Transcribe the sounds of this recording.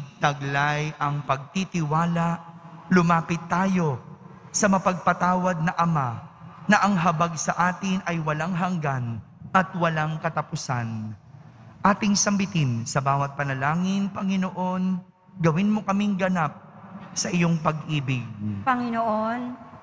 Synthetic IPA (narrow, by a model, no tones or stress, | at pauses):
t̪ɐɡlajʔɐŋpɐɡ̚t̪it̪ɪwaːlɐʔlʊmaːpɪt̪ːaːjo̞ | sɐmɐpɐɡ̚pɐt̪aːwɐd̪̚nɐʔɐmanɐʔɐŋɦɐbaɡsɐʔaːt̪ɪnʔɐjwɐlaŋɦɐŋɡan | ʔɐt̪wɐlaŋkɐt̪ɐpʊsan | ʔaːt̪ɪŋsɐmbɪt̪ɪnsɐbaːwɐt̪̚pɐnɐlaːŋɪnpɐŋɪno̞ʔo̞n | ɡɐwɪnmo̞kɐmɪŋɡɐnap̚ | sɐʔɪjo̞ŋpɐɡʔiːbɪɡ̚pɐŋɪnoʔon